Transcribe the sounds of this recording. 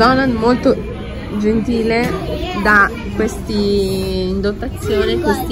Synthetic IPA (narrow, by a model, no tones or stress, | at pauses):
ɔnanmolt̪o | d͡ʒent̪iːled̪a | kwest̪iː | nd̪ot̪ːat̪sːjoːnikwest̪i